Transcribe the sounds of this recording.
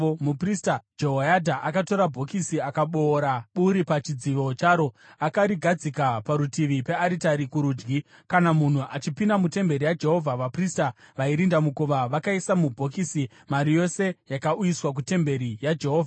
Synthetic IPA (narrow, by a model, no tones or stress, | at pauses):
mupristad͡ʒeɦoadʱaʔakato̞ɾabʱo̞kisiakaɓo̞ːɾaɓuɾipat͡ʃid͡ziʋo̞t͡ʃaːɾo̞akaɾiɡʱad͡zikapaɾutiʋipe̞aɾitaɾikuɾuːd͡ʒɡi | kanamun̤uʔat͡ʃipindamute̞mbe̞ɾijad͡ʒe̞ɦo̞vʱaʋapristaʋaiɾindamukuʋaʋakaisamubʱo̞kisi | maɾijo̞se̞jakaujiswak̬ute̞mbe̞ɾijad͡ʒe̞ɦo̞ːvʱaa